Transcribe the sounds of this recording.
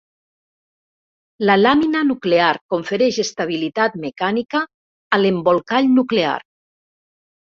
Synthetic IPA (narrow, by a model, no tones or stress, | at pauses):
lalaminanukleaɾkoɱfeɾɛʃest̪aβ̞ilit̪at̪mekanikaː | lembolˠkaʎnuklea̰ɾ